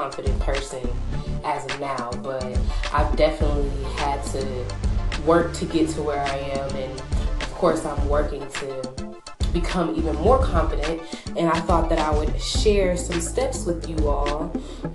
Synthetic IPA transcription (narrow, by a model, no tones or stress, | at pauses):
ɑ̃ɱfɨɾɨ̃npʰɜ˞sɨ̃nɨznaʊb̥ʌt̚ʔa̰ɪvdɛfənətˡlˡliɨd̚tʰɨ | wɜ˞k̚tʰɨɡɛtʰəwə˞aɪɨ̃mɨ̃n | ʌv̥kʰɔɹsãɪ̃mwɜ˞kɪ̃ŋtʰɨ | b̥ɨkʰʌ̃mivɨ̃nmɔɹkʰɑ̃ɱfɨɾɨ̃nt̚ɨ̃naɪθɔt̪̚ðɨɾaɪwɨd̥̚ʃɛɹsʌ̃mstɛpswɨðjɨɔlˠ